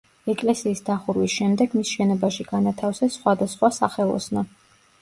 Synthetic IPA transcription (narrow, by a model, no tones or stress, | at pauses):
ɛkʼlɛsiːsd̪aχuɾwisʃɛmd̪ɛɡmisʃɛnɔbaʃiɡanat̪ʰafsɛsːχwad̪asχwasa̰χɛlˠɔ̰sna